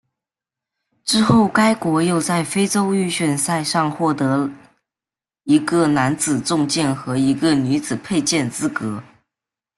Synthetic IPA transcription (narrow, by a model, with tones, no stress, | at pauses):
ʈ͡ʂɻ̩˥xo˥˩ʊka˥ɪkwɔ˧˥jo˥˧ʊt͡sa˥˩ɪfe˥ɪʈ͡ʂo˥ʊy˥˧ɕɥɛ˥˩nsa˥˧ɪʂɑ˥˧ŋxwɔ˥˩t̪ɤ˧˥ | i˧˥ɡə˥˧na˧˥nt͡sɹ̩˨˩t͡sʊ˥˧ŋt͡ɕjɛ˥˩nxɤ˧˥i˧˥ɡə˧ny˧˥t͡sɹ̩˨˩pʰe˥˧ɪt͡ɕjɛ˥˩nt͡sɹ̩˥kɤ˧˥